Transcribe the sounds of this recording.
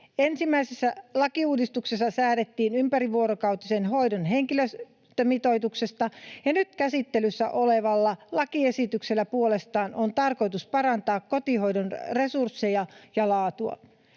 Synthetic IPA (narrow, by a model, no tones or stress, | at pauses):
ensimːæisesːælɑkiuːdist̪uksesːɑsæːɾet̪ːiːnympæriʋuoɾokɑwt̪isenɦo̞idonɦeŋkiløs | t̪ømit̪o̞it̪ukse̞st̪ɑjɑnyt̪kæsit̪ːelysːæ̰ʔoleʋɑlːɑlɑkiesit̪ykselːæpuolest̪ɑːnʔont̪ɑrko̞jt̪uspɑrɑnt̪ɑːkkot̪iho̞idonre̞sursːejɑjɑlɑːt̪uɑ̰